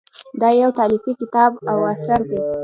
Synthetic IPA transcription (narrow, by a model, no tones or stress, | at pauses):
d̪ɑjawt̪ɑlifikɪt̪ɑbawasaɾd̪e